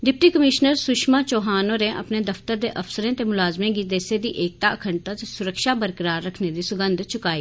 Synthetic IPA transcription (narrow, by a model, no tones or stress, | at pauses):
d̪ɪp̚ʈiːkəmɪʃnəɾsʊʃmaːt͡ʃoːɦaːnoːɾẽːʔə̰pneːd̪əft̪əɾd̪ḛːʔəfsəɾẽːt̪eːmʊlaːzmẽːɡiːd̪eːseːd̪iːʔeːk̚t̪aːəkʰəɳt̪ət̪sʊɾəkʃaːbəɾkəɾaːɾːəkʰneːd̪iːsʊɡə̃nd̪t͡ʃʰʊkaːiː